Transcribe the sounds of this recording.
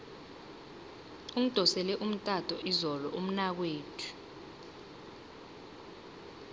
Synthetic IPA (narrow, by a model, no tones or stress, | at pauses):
uŋ̩d̥ʱɔsɛlɛʔum̩tʼatʼɔʔizɔlɔʔum̩nak̬weːtʰu̥